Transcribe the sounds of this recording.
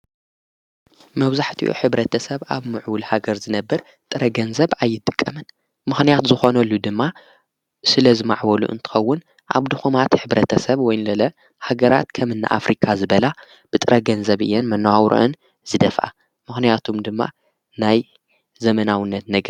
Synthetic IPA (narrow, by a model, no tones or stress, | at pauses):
mɐβzaħt̪ʰiʔṵħɨβɾɐt̪ʰɐsɐβʔa̰βmɨʕwʊlhaɡɐɾzɨnɐbːɐɾ | t̪ʼɨɾɐɡɐnzɐβajːɪt̪ʼːɨ̥kʼːɐmɨn | mɨxnijat̪zɨxo̞nɐlːud̪ɨmːa | sɨlɐzɨma̰ʕwɐlṵʔɨ̰nt̪ʰɨ̥xɐwːʊn | ʔa̰βd̪ɨxumat̪ħɨβɾɐt̪ʰɐsɐβwɔjnlɐlɐ | haɡɐɾa̰t̪kʰɐmɨnːa̰ʔa̰fɾikʰazɨβɐla | b̥ɨt̪ʼɨɾɐɡɐnzɐβʔɨ̰jːɛnmɐnːwawɾṵʔɨ̰n | z̥ɨd̪ɐfʔa̰ | mɨxnijat̪ʰuomd̪ɨmːa̰ | naj | zɐmɐnawɨnːɐt̪̚nɐɡ